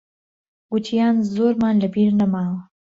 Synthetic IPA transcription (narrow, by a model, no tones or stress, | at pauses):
ɡut͡ʃijɑnzoɾmɑnlabiɾnamɑw